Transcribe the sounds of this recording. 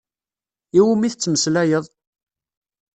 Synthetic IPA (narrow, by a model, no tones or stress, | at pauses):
iwumiθət͡sːəməslæjəðˤ